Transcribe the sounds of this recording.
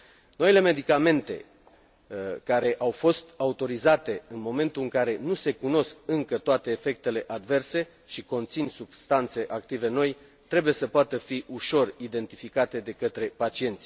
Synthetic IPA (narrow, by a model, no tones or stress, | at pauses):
no̞ile̞me̞d̪ikame̞nt̪e̞̰ | kaɾe̞ʔawfo̞st̪aut̪o̞ɾizat̪e̞ɨnmo̞me̞nt̪uɨŋkaɾe̞nuse̞kuno̞sk̚ɨŋkət̪oat̪e̞ːfe̞k̚t̪e̞le̞ʔad̪ve̞rse̞ | ʃiko̞nt̪sinsub̥st̪ant̪se̞ʔak̚t̪ive̞no̞j | t̪ɾe̞buje̞səpoat̪əfiʔuʃo̞rid̪e̞nt̪ifikat̪e̞d̪e̞kət̪ɾe̞pat͡ʃie̞nt̪sʲ